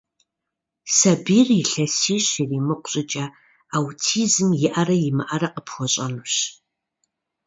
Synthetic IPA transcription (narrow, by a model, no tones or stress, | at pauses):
sɐbiːrɪɬɐsiːɕiriːmɨqʷʊ̥ɕʼɪt͡ʃʼɐ | awtʰiːzɨmjɪʔɐrɐjɪmɨʔɐrɐqəpʰxʷɔɕʼɐmɨɕ